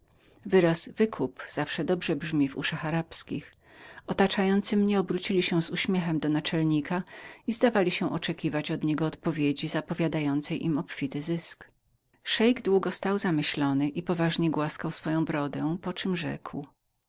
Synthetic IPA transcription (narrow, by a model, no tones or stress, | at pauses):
vɘɾazvɘkʰupz̥afʂɛd̪ɔbʐɛbʐmʲivṵʂaxaɾapskʲḭx | ɔt̪at͡ʂajɔnt̪sɘmɲɛɔbɾut͡ɕilʲiɕɛ̃zuɕmʲjɛxɛmd̪ɔnat͡ʂɛlɲikaizd̪avalʲiɕɛ̃ʔɔt͡ʂɛkʲivat͡ɕɔd̪ɲɛɡɔːt̪pɔvʲjed͡ʑizapɔvʲjad̪ajɔnt̪sɛjʔimɔpfʲit̪ɘzɘsk | ʂɛjɡd̪wuɡɔst̪awzamɘɕlɔnɘʔipɔvaʐɲɛɡwaskawsfɔjɔ̃w̃bɾɔd̪ɛ̃pɔt͡ʂɘmʐɛ̰kw